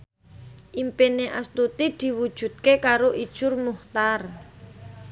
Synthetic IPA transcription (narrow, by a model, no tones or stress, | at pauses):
ʔimpineʔast̪ut̪id̪̥i̤wud̥ʒ̥ṳd̪̚kekaɾoʔid̥ʒ̥ʊrmuht̪ar